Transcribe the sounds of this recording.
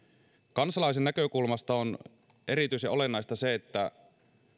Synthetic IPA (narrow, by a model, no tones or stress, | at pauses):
kɑnsɑlɑis̬enːækø̞kulmɑst̪ɑon | ʔe̞ɾit̪yjsjʔo̞le̞nːɑist̪ɑse̞ːt̪ːæ